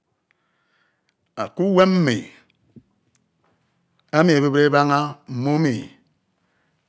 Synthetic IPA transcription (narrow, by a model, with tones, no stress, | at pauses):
a˨ku˦we˦m̩˦mḭ˨ | a˦mi˨e˨be˦bɾe˦ba˦ŋa˦m̩˨mu˦mi˨